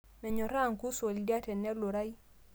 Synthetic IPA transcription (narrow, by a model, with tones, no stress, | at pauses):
mɛ˨ɲɔ˨ɾa˦˨ŋku˦swo˨ldja˦tɛ˨nɛ˦lo˨ɾa˦i˦